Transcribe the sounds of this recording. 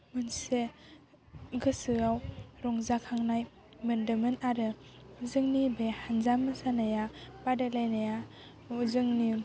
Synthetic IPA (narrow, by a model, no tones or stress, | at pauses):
mɯnse | ɡɯsɯawɾɔŋzakʰaŋnaj | mɯndɯmɯnaɾɯuzɯŋnibehanzamːɯsanajapadalajnaja | uzɯŋni